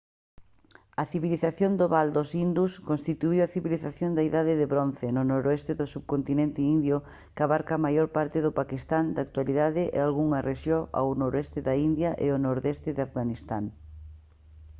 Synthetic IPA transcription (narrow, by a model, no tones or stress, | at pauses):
ɐθiβiliθaθjond̪oβald̪osind̪uskonst̪it̪uiwɐθiβiliθaθjond̪ɐiðaðɪðɪβɾon̟θenʊnoɾoɛst̪ɪðʊsuβkont̪inent̪ɪind̪jʊ | kaβaɾkaːmajoɾpaɾt̪ɪðʊpakist̪and̪ak̚t̪waliðaðɪʔḛalɣuŋɐreʃjoa̰wnoɾɛst̪ɪðɐind̪jɐʔḛonoɾðɛst̪ɪðafɣanist̪aŋ